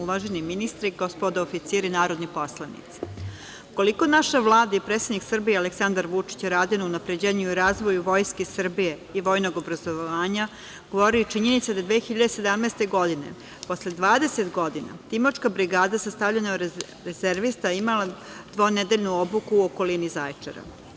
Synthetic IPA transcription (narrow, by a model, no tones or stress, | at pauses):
uʋaʒeniminist̪ɾiɡospod̪aofit̪siːɾinaːɾo̞d̪nipo̞slˠanḭt̪si̥ | uko̞liko̞naʃaʋlˠaːd̪aipɾet̪sed̪niksr̩biealeksand̪aɾʋut͡ʂi̥t͡ɕɾaːd̪inounapɾed͡ʑeːɲuiɾaːzʋojuʋo̞jskesr̩bijeiʋo̞ːjno̞ɡo̞bɾazoʋʋaːɲa | ɡ̥oʋoɾiut͡ʃiɲe̞nit̪sad̪ad̪ʋeːxiʎad̪esed̪amneːst̪e̞ɡo̞d̪ine̞̰ | po̞sled̪ʋaːd̪e̞set̪ɡo̞d̪ina̰t̪imoʈ͡ʂkabɾiɡaːd̪asast̪aʋʎeno | ɾezeɾʋist̪aimala | d̪ʋo̞ned̪eʎnuobukuːoko̞linizajt͡ʂḛɾa̰